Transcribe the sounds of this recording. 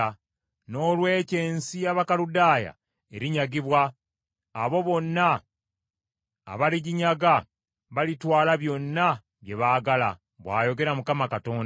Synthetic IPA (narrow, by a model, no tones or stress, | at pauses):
no̞ːlwe̞ːce̞ːnsijaβakaludaːja̰ | e̞ɾiɲaɡiβwaː | βo̞βo̞nːa | βaliɟiɲaɡa | βalitwaːlaβjo̞nːa | βje̞βaːɡala̰ | βwaːjo̞ɡe̞ɾamukamakato̞ːn